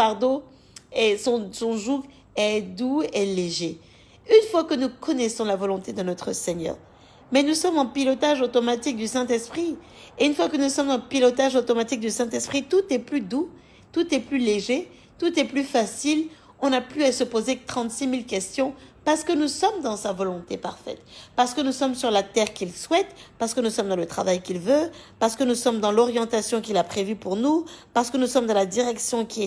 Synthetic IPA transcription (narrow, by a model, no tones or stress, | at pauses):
aʁd̪o | esɔ̃sɔ̃ʒuk | ɛd̪ueleʒe | ynfwakənukɔnɛsɔ̃lavɔlɔ̃t̪ed̪ənɔt̪χəsɛɲœ̰ːʁ | mɛnusɔmɑ̃pilɔt̪aʒot̪ɔmat̪ik̚d̪ysɛ̃t̪ɛspχi | eynfwakənusɔmzɑ̃pilɔt̪aʒot̪ɔmat̪ik̚d̪ysɛ̃t̪ɛspχit̪ut̪ɛplyd̪u | t̪ut̪ɛplyleʒe | t̪ut̪ɛplyfasil | ɔ̃naplyasəpozet̪χɑ̃t̪similkʲɛst̪jɔ̃paʁsə̥kənusɔmd̪ɑ̃savɔlɔ̃t̪epa̰ʁfɛ̰t̪paʁsə̥kənusɔmsyʁlat̪ɛʁkʲilswɛt̪paʁsəkənusɔmd̪ɑ̃lət̪χavajkʲilvøpaʁsə̥kənusɔmd̪ɑ̃lɔʁjɑ̃t̪asjɔ̃kilapχevypuʁnupaʁsə̥kənusɔmd̪ɑ̃lad̪iʁɛksjɔ̃kʲiɛ